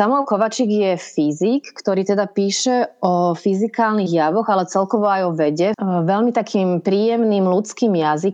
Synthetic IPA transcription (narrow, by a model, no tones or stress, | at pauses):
t̪amɔwkɔʋat͡ʃiɡjɛfizikːt̪ɔɾiːt̪ɛd̪apiːʃɛɔfizikaːlniɣjaʋɔɣalɛt͡sɛlkɔʋɔajɔʋɛɟɛʋɛlmit̪akʰiːmpɾiːjɛmnimlut͡skiːmjazik